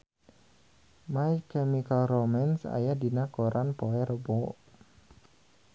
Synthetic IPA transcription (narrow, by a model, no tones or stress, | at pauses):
majkɛmikalromansa̰jadinakɔɾʔanpɔɛɾbɔ